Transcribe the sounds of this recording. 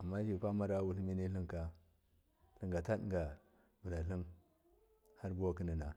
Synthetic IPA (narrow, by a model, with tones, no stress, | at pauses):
a˨mːa˦hi˦˨kʷa˦ma˦ɾa˦wu˨lmi˦ni˦ɬi˦ŋka˦ | ɬə˦ŋɡa˨ta˦dŋɡa˨ | bu˨la˨ɬi˦n | ha˦ɾbu˦wa˦ki˦ni˨na˨